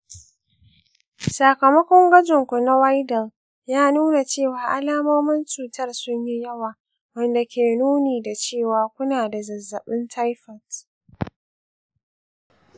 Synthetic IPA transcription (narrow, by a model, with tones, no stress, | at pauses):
sa˨kɐ˨mɐ˦kʷɔ˦ŋɡɐ˦d͡ʒʊ˨ŋkʷu˨na˦wa˦jdɐ˨l | jaː˦nuː˦na˨t͡ʃeː˦˨waː˨ʔa˦laː˦moː˦mɐ˦nt͡ʃuː˨tɐ˦˨rsʊ˦ɲji˦jɐ˦waː˨ | wɐ˦˨nda˨kʲeː˨nuː˦niː˨da˨t͡ʃeː˦˨waː˨kʷʊ˦naː˨da˨zɐ˨zːɐ˨ɓɪ˦ntʰa˦jɸɐ˨t